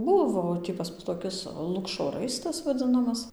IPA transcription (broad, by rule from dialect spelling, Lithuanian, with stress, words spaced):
ˈbʊʋoː tʲiː pɐs ˈmʊs toːˈkʲɪs ˈlˠʊkʃoː ˈrɐɪstɐs ʋɐˈd͡zɨnɐmɐs